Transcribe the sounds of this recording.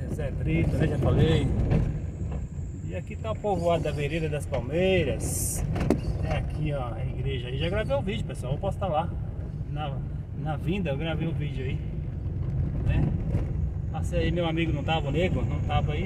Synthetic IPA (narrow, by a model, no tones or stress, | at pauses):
esɛd̪ɾit̪ʊnɛʒafalej | ɪakit̪ãpovoad̪ɐveɾid̪ɐd̪ɐspawmejɾɐs | ɛakʰiaɐiɡɾeʒɐaiʒaɡɾavejʊvid͡ʒʊpesʊawewpɔsʊ̥t̪ala | nɐ | nɐvĩd̪ɐewɡɾavejʊvid͡ʒʊai | nɛ | asĩaimewamiɡʊnɐ̃w̃t̪avɐneɡɾʊnɐ̃w̃t̪avɐi